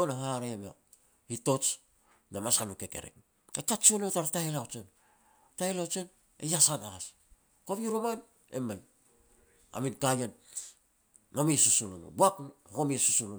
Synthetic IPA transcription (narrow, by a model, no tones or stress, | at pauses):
onaɦaɾaama̰ | hito̞t͡ʃ | namasanuke̞ke̞̰ɾe̞̰ | ekat͡ʃuanetaɾataelaot͡ʃen | taelaot͡ʃen | ḛjasanas | koβiɾoman | e̞̰mːaj | a̰minkajan | nomiesusulo̰no̰buakhomiasusulu